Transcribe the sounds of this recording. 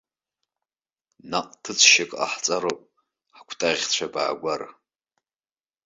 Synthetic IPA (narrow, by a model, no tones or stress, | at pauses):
naqʼtʰɨt͡sʷʰʃakʼa̰ħt͡sʼaɾopʼ | ħakʷʰtʼaʁʲt͡ɕʷʰaba̰ːɡʷar